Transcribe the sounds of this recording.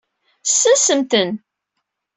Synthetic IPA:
sːæsəmt̪ən

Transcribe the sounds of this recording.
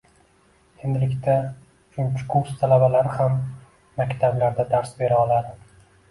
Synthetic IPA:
e̞nd̪ɪlɪkʲt̪ʰa | t͡ʃʰʊnt͡ʃʰɪ̥kʰuɾst̪ʰalabalaɾɪhamː | akʲt̪ʰablaɾd̪ad̪aɾsbe̞ɾaɒlˠad̪ɪ

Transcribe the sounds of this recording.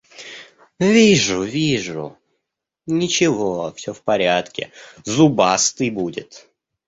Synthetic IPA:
vʲiʐʊvʲiʐʊ̰ | nʲɪt͡ɕɪvofsʲofpɐɾʲat̪kʲɪ̰zʊbast̪ɨjbudʲɪ̰t̪

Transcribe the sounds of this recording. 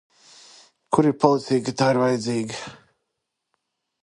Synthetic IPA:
kʰuɾipʰɔlˠit̪iɡat̪aːiɾvajd̪ziːɡa

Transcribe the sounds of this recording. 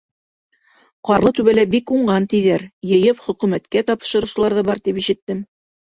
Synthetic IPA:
qɑɾlˠɤt̪ʉβælæbikuɴɢɑnt̪iðæɾjɤ̆jɤpχɵ̆kʉmæt̪kæt̪ɑpʃɤ̆ɾŭwsɤ̆lˠɑɾðɤbɑɾt̪ipiʃɘ̆t̪ːɘm

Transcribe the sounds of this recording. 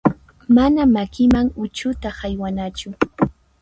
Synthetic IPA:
manamakɪmaŋʊt͡ʃʊt̪ahajwanat͡ʃʊ

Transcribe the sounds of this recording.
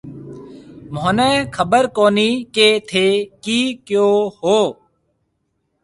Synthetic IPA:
moːnɛːkʰəbəɾkoːniːkeːt̪ʰeːkiːkjoːhoː

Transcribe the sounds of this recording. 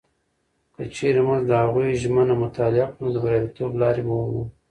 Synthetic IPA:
kət͡ʃeɾemazd̪əhaɣujʒmənamʊt̪ɑlɪaqnod̪əbɾɑbit̪oblɑɾebawwṵ

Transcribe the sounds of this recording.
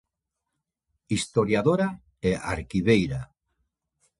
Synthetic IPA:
ist̪oɾjaðoɾa | eʔa̰ɾkiβejɾa

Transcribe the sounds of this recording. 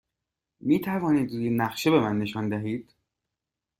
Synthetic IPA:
miːt̪ʰævɒːniːd̪iːnæχʃe̞be̞mænːe̞ʃɒːnd̪æɦiːd̪̥

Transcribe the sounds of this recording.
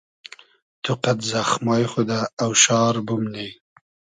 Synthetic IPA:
t̪ʰʊqat̪zaxmɑjχod̪aːwʃɑːɾbʊmne

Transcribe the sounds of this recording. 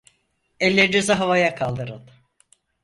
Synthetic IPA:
ɛlʲːeɾid̪ezɛɦavajakʰalˠd̪ɯɾɯnˠ

